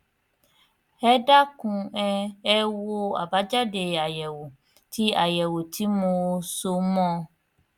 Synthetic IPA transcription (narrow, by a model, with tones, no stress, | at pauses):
ɛ˦da˦kũ˧ɛ˧ɛ˦wo˦a̰˨ba˨˦d͡ʒa˦de˧˨a˨jɛ˨wo˨ | ti˨˦a˦˨jɛ˨wo˨ti˨˦mo˧so˧mɔ̃˦